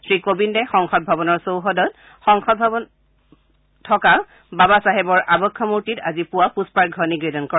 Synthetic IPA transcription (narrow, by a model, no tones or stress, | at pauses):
sɹikobindɛxɔŋxɔd̚bʱabɔnɔɹsowɦɔdɔt | xɔŋxɔd̚bʱabɔn | tʰɔka | babasaɦɛbɔɹʔabɔkʰːɔmuɹtitazipʊwapuspaɹɡʱɔniɡɹidɔnkɔɹa